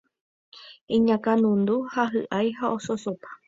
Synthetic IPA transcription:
ĩɲãkãnũnd̪uhaɦɨʔajɦaososopḁ

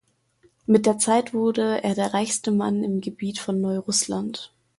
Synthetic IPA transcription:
mɪt̚d̥eːɐt͡saɪtv̥ʊɐdəʔeːɐdeːɐʁaɪçstəma̰nɪmɡəbiːtfɔnːɔʏʁʊslant

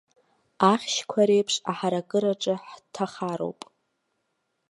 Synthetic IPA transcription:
aχʲʃkʷʰaɾejpʰʂaħaɾakʼɨɾaʈ͡ʂʼɨħtʰaχaɾo̰wpʼ

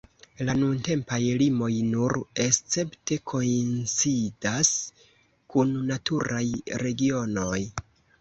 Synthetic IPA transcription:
lanunte̞mpajlimo̞jnuɾe̞st͡se̞pte̞kʰo̞int͡sidas | kunːatuɾajɾe̞ɡio̞no̞j

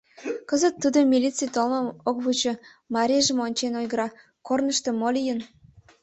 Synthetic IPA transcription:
kəzət̪ːud̪omʲilʲit͡sɨjt̪olməmokβut͡ɕɤ̆ | mɑɾʲeʒə̆monʲt͡ɕenojɡəɾɑ | kornəʃt̪ə̆molʲijən

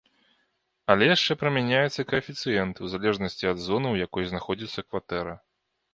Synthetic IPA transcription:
ɐlʲɛjaʂt͡ʂɛpɾɐmʲanʲajɛt̪sːɐkɐfʲit̪sɨjɛnt̪wzalʲɛʐnɐsʲt͡sʲiɐd̪zɔnɨwjakɔjznaxɔd͡zʲit̪sːɐkvat̪ɛɾɐ

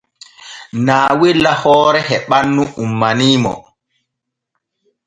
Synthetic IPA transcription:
naːwilːahɔːɾɛɦɛɓanːuumːaniːmɔ̰

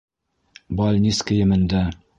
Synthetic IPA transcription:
bɑlʲnʲiskɘ̆jɘ̆mɘ̆nd̪æ

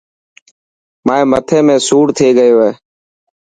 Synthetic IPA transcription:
maːẽːmət̪ʰẽːmẽːsuːɽt̪ʰeːɡəjoːɦeː

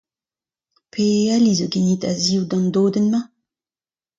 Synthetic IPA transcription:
pʰealizoɡenit̪aziwd̪ɑ̃nd̪oːdənma

